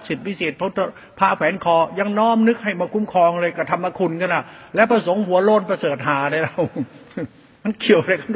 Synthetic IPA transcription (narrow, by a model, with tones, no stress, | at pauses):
t̪̚si˨˩t̪̚wi˦˥seː˨˩t̪̚pʰɔ˦˥t̪ʰ | pʰaː˧˩kʰɛː˨˦nkʰɔː˧˩ja˧ŋnɔː˦˥˨mnɯ˦˥k̚ha˥˩jmaː˧kʰu˧˥mkʰɔː˧ŋlɤː˧jka˧˩t̪ʰa˧mːa˧kʰu˧nkʰa˧˥˩nla˨˩lɛː˦˥wpɾa˧so˩˦ŋhu˨˩˦ɐlo˥˩npɾa˧sɤː˨˩t̪̚ɦaː˨˩˦ɾa˧˩jla˧˩w | ma˧˥˩nkʰi˨˩əwha˧ɾa˧jkʰa˧˩n